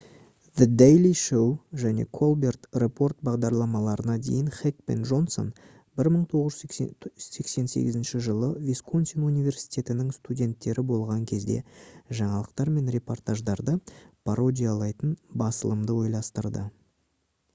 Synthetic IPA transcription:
ðəd̪ejliʃowʒæne̞̰kʰo̞lˠbe̞rt̪repʰo̞rt̪̚bɑʁd̪ɑɾlˠɑmɑlˠɑɾənɑd̪ḛjɪnχek̚pe̞̰nʒo̞nso̞̰n | bɪɾməɴt̪ʰo̞ʁəʒ | se̞kse̞nse̞̰ɡʲɪzɪnʃɪʒəlˠəvʲiskʰont̪sʲonunijvʲe̞ɾsi̥jt̪ʰʲe̞t̪ɪnɪŋst̪udʲe̞nt̪ːe̞ɾɪbo̞lˠʁɑŋkʲʰe̞zd̪e̞̰ʒɑɴɑlˠəqt̪ɑɾme̞nɾʲe̞po̞rt̪ʰaʒd̪ɑɾd̪əpʰaɾo̞d̪ʲijalˠɑjt̪ənbɑsəlˠəmd̪əwo̞jlˠɑst̪əɾd̪ə

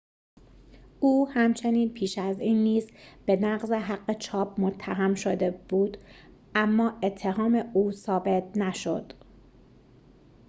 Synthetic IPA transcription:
uːhæmt͡ʃʰe̞niːnpʰiːʃæziːnːiːzb̥e̞næɢzeɦæɢːe̞t͡ʃʰɒːp̚ʰmot̪ʰːæɦæmʃo̞d̪e̞b̥uːd̪̥ | ʔæmːɒːe̞t̪ʰːe̞ɦɒːme̞uːsɒːbe̞t̪̚ʰnæʃo̞̰d̪̥

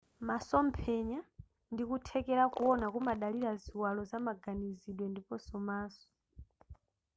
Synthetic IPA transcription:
masɔmpʰɛɲa | ndikutʰɛkɛɾakuɔnakumaɗaliɾaziwalɔzamaɡaniziɗwɛndipɔsɔmaːsɔ̥

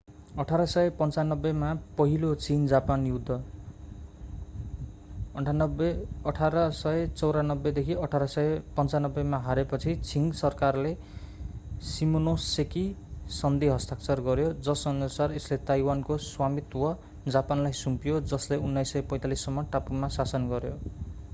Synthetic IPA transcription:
ʌʈʰaɾʌsʌjepʌnt͡sanʌbːʌmapʌɦilot͡sind͡zapanjud̪ʱːʌ | nʌbʌʈʰaɾʌsʌjt͡sʌwɾanʌbːed̪ekʰiʌʈʰaɾʌsʌepʌnt͡sanʌbːemaɦaɾepʌt͡sʰit͡siŋɡsʌrkarle | simonosekisʌnd̪iɦʌst̪ak̚t͡sʌrɡʌɾjod͡zʌsʌnusareslet̪ajwankoswamit̪wʌ | d͡zapanlajsumpijod͡zʌsleunːajsːʌjpʌj̃t̪alisːʌmːʌʈapumasasʌnɡʌɾjo

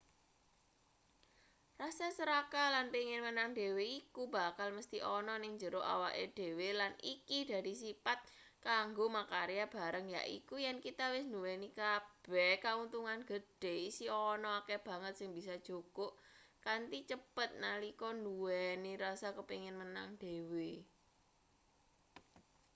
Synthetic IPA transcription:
rasasəɾakalanpiŋɪnmənaŋdeweikuba̤kalməst̪iʔɔnɔnɪŋɲd͡ʒəɾoʔa̰wa̰ʔed̥e̤welanikid̥a̤ɾisipat̪̚ | kaŋɡomakaɾejab̥a̤ɾəŋja̰ʔḭkujɛnkit̪awɪsnduwɛnikab̥ɛkaunt̪uŋanɡ̥əd̥e̤isiɔnɔakeb̥ä̤ŋət̪̚sɪŋbisad̥ʒ̥okoʔkant̪it͡ʃəpət̪̚nalikɔnduwɛniɾasakəpiŋɪnmənaŋd̥ewe

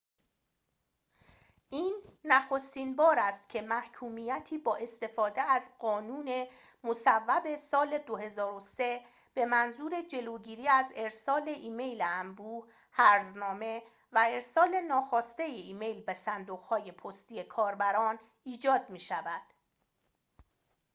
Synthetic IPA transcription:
ʔiːnːæxo̞st̪iːnbɒːɾæst̪̚cʰe̞mæhcʰuːmijæt̪ʰiːbɒːʔe̞st̪e̞fɒːd̪e̞æzɢɒːnuːne̞ | mosævːæbe̞sɒːle̞d̪ohe̞zɒːɾose̞ | b̥e̞mænzuːɾe̞d͡ʒe̞loːɟiːɾiːæze̞ɾsɒːle̞ʔiːme̞jleæmbuː | hæɾznɒːme̞ | væe̞ɾsɒːle̞nɒːxɒːst̪e̞jeiːme̞jlbesænd̪oɣhɒːje̞pʰost̪iːe̞kʰɒːɾbæɾɒːn | iːd͡ʒɒːd̪̥̚miːʃævæd̪̥

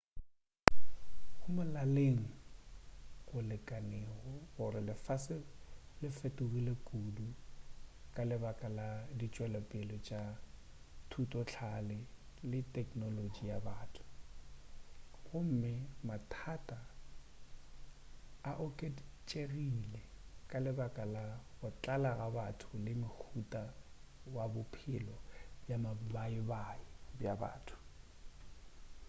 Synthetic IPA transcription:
hʊmʊlaleŋ̩ | ɣʊlɪkʼaneːɣɔɣʊɾɪlɪfasɪlɪfɛtʼʊɣilɪkʼudu | kʼalɪbakʼaladit͡ʃʼwɛlɛpʼɪlɔt͡ʃʼa | tʰutʼɔt͡ɬʰalɪlɪtʼɛkʼnolod͡ʒijabaːtʰʊ̥ | ɣʊm̩mɪmatʰatʼa | ʔʊkʼet͡ʃʼerilɛkʼalɪbakʼalaɣʊt͡ɬʼalaɣabatʰʊlɪmɪk͡xʰutʼawabʊpʰɪlɔbjamabaɪbaɪbjaba̰ːtʰʊ̥

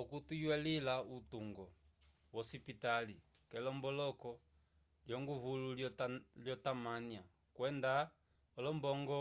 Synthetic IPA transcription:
ɔkutujwɛlilautuŋɡɔ | wɔsipitali | kɛlɔmbɔlɔkɔ | ljɔŋɡuvululljɔtamania | kwɛnda | ɔlɔmbɔŋɡɔ

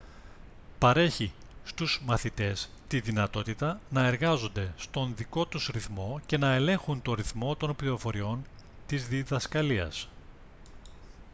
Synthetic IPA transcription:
pɐɾe̞çi | st̪uz̥mɐθit̪e̞st̪iðinɐt̪o̞t̪it̪ɐnɐe̞ɾɣɐzo̞nd̪e̞st̪o̞nðiko̞t̪usɾiθmo̞ce̞nɐe̞le̞ŋxunt̪o̞ɾiθmo̞t̪o̞npliɾo̞fo̞ɾio̞n | t̪izðiðɐskɐliɐ̰s

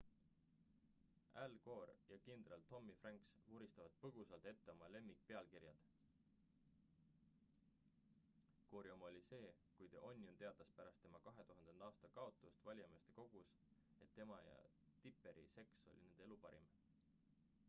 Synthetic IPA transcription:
ælko̞ːɾjɑkind̪rɑlt̪ːo̞mːifrɑŋksvuɾist̪ɑvɑd̪̥̚pɤɡ̥usɑlt̪et̪ːe̞o̞mɑle̞mːik̚pe̞ɑlkiɾjɑd̪̥ | koːɾiomo̞lʲise̞ː | kujt̪eʔo̞nʲjont̪e̞ɑd̪ɑspæɾɑst̪ːe̞mɑkɑɦe̞t̪uɦɑnd̪̥e̞nd̪ɑːst̪ɑkɑo̞t̪ːˑust̪vɑlʲjɑmest̪e̞ko̞ɡ̥us | e̞t̪ːe̞mɑjɑ̰ | t̪ipːˑe̞ɾḭse̞kso̞̰lʲḭnend̪̥e̞lupɑɾḭm

